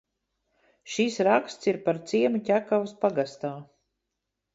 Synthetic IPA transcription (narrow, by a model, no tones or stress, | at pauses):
ʃiːsɾakst̪siɾpaɾt̪siɛmucʲækavspaɡast̪aː